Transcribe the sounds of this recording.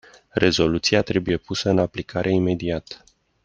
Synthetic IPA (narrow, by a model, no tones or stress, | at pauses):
re̞zo̞lut̪siat̪ɾe̞buje̞pusəɨnaplikʰaɾʔe̞ime̞d̪iat̪